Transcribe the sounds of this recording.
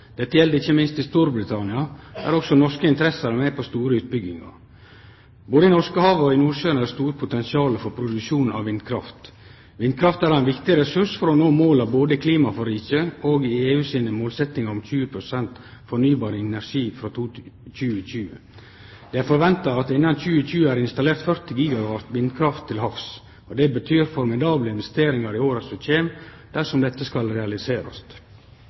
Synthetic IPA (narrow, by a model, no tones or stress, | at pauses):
d̪̥ɛt̪ːəjɛld̪əɪçːəmɪnst̪ɪst̪uɾbɾɪt̪ʰɑnɪɑæ̰ɾɔksɔnɔskəɪnt̪əɾɛsəɾɑmɛpʰɔst̪uːɾəʉːt̪̚bʏɡɪŋɑ̰ɾ | boːd̪əɪnɔʂkəhɑːʋɔɪnuːʃœːnəæɾst̪uːɾpʰʊt̪ɛnsɪɑːləfɔɾpʰɾʊd̪ʉʃuːnn̩ɑ̰ʋʋɪnd̪̚kʰɾɑft̪ | ʋɪnd̪̚kʰɾɑft̪æːɾɑɛnʋɪkt̪ɪɾɛsʉʂfɔɾɔnoːmoːlɑʋboːd̪əɪkʰliːmɑfɔɾiːçəoːɡɪeːʉːsiːnəmoːlsɛt̪ːɪŋəɾʊmc͡çʉːəpʰɾʊsɛnt̪fɔnyːbɑːɾəɛnæʂiːfɾɑːt̪ʰuc͡çʉːəçʉːə̰ | d̪ɛːæɾfɔɾʋɛnt̪ɑɑt̪ɪnːɑnc͡çʉːəc͡çʉːəæːɾɪnst̪ɑleːɾt̪fœɾt̪ɪɡiːɡɑʋɑɾt̪ʋɪnd̪̚kʰɾɑft̪ʰːɪlɦɑfs | ɔd̪ɛbət̪ʰyːɾfɔɾmɪd̪ɑːbləɪnʋɛst̪eːɾɪŋɑɾɪoːɾɑsɔc͡çeːm | d̪̥æʂɔmd̪ɛt̪ːəskɑlɾɛɑlɪseːɾɑ̰st̪